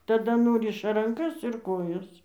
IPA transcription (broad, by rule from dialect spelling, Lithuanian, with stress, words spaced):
tɐˈdɐ ˈnʊrʲɪʃɐ rɐŋˈkɐs ɪr ˈkoːjɛs